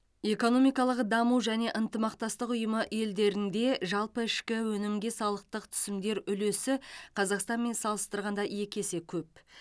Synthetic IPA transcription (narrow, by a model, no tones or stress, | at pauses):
e̞ko̞no̞mijkɑlˠəqd̪ɑmuwʒæne̞ʔənt̪əmɑqt̪ɑst̪əqʊjəməʔe̞ld̪e̞ɾɪnd̪e̞ʒɑlˠpəɪʃkʲɪwɵnɪmɡʲe̞sɑlˠəq̚t̪əqt̪ʰʏ̥sɪmd̪e̞ɾʏle̞sɪqʰɑzɑqst̪ɑnme̞nsɑlˠəst̪əɾʁɑnd̪ɑje̞kʲe̞se̞kʲʰɵp̚